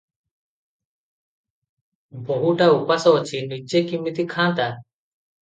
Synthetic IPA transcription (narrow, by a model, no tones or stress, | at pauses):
bʱoɦuːʈaːupaːsoːt͡ʃʰiːnid͡ʒeːkimɪt̪iːkʰãːt̪aː